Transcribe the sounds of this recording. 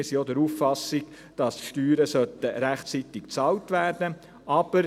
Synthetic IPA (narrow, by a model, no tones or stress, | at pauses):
ɪsijod̪ɛɾuːffɑsɪɡ | d̥ɑsʃtyːɾəsœtəɾæχt͡sit̪ɪkt͡sɑːltʋæːrd̥ə | ʔɑb̥əɾ